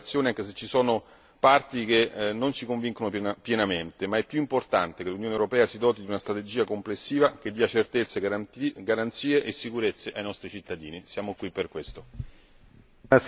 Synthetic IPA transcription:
t̪sːjoːneaŋkeset͡ʃːisɔːno | part̪ik̟enːonsikoɱviŋkonopjenament̪emaɛpːjuimport̪ant̪ekelunjoːnewɾopɛːasid̪ɔːt̪id̪iunast̪ɾat̪ed͡ʒiːakomplesːiːvak̟ed̪ːiːat͡ʃert̪et̪sːeɡaɾant̪siːeʔesːikuɾet̪sːeʔajnɔst̪ɾit͡ʃit̪ːad̪iːnisjaːmokwipːerkwest̪o

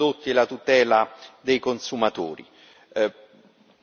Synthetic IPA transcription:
ot̪ːielat̪ut̪ɛːlad̪ejkonsumat̪oːɾḭ

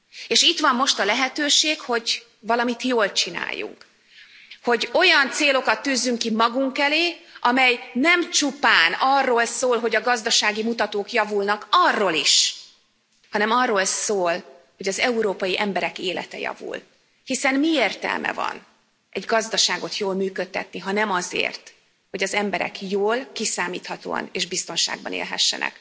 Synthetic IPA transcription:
eːʃit̪ʋɒmːo̞ʃt̪ɒlɛɦɛt̪øːʃeːkho̞ɟ | vɒlɒmit̪joːlt͡ʃina̰ːjːṵŋk | ho̞ɟo̞jɒnt̪seːlo̞kɒt̪ːyːzːyŋkimɒɡuŋkɛleːʔɒmɛjnɛmt͡ʃupaːnɒrːoːlsoːlɦo̞ɟɒɡɒzd̪ɒʃaːɡimut̪ɒt̪oːkjɒvulnɒkɒrːoːliʃ | hɒnɛmɒrːoːlsoːl | ho̞ɟɒzɛuɾoːpɒjiʔɛmbɛɾɛkeːlɛ̰t̪ɛ̰jɒ̰vṵl | hisɛnmieːrt̪ɛ̰lmʔɛ̰vɒ̰n | ʔɛɟɡɒzd̪ɒʃaːɡo̞t̪joːlmyːkøt̪ːɛt̪niɦɒnɛmɒzḛːrt̪ | ho̞ɟɒzɛmbɛɾɛ̰kjoːlkisaːmiːt̪hɒt̪o̰ːɒ̰neːʒbist̪o̞nʃa̰ːɡ̚bɒ̰nḛːlɦɛ̰ʃːɛ̰nɛ̰k

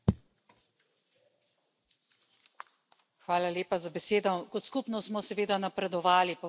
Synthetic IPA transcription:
xʋaːlaleːpazabɛseːd̪ɔkɔt̪skupnɔsmɔsɛʋeːd̪anapɾɛd̪ɔʋaːlip

